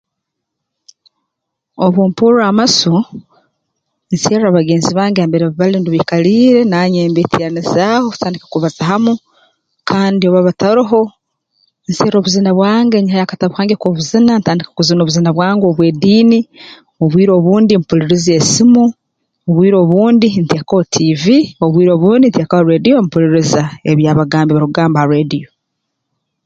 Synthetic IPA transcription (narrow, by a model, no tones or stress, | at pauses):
oβuːmpuɾuamasu | nseːɾaβaɡe̞ːnziβaːŋɡeambe̞ɾeββaliːnduβikaliːɾe̞naːɲeːmbetijanizaːho̥taːndikakuβazaɦamu | kʰaːndioβaβataɾuɦo̞ | nseːɾo̞ːβuzinaβwaːŋɡeɲihajakataβukhaːŋɡekoːβuzinantaːndikḁkuzino̞ːβuzinaβwaːŋɡo̞βweːdiːni | oβwiːɾo̞ːβuːndimpuliɾizesimu | oβwiːɾo̞ːβuːndintiekaotʰivioβwiːɾo̞ːβuːndintekaoɾedijompuɾiɾizaeβjaːβaɡaːmbiβaɾuɡaːmbahaɾedio